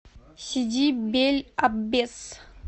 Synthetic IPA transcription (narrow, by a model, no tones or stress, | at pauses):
ɕid͡ʑibelʲabes